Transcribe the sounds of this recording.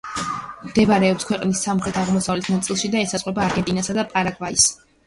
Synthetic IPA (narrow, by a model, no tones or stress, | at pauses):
md̪ɛbaɾɛɔpskʰwɛqʼnisːamχɾɛt̪ʰaʁmɔsavlɛt̪ʰnat̪sʼilˠʃid̪aɛsasʼqʼwɛbaːɾɡɛnt̪ʼinasad̪apʼaɾaɡvais